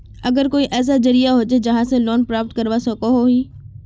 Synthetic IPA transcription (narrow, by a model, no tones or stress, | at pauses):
ɐɡəɾkoːiʔɛːs̬ad͡ʑɐɾijaɦʊd͡ʑɪd͡ʑɐɦãsẽlɔːnpɾaːp̚ʈkɐɾʋasɐkoɦoɦiː